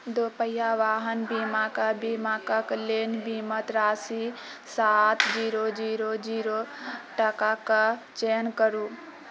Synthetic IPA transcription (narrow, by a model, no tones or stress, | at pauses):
d̪oːpəjaʋaːɦənbiːmakabiːmakəkleːnbiːmət̪ɾaːsi | saːt̪d͡ʒiːɾod͡ʒiːɾod͡ʒiːɾoʈəkakat͡ʃeːnkəɾu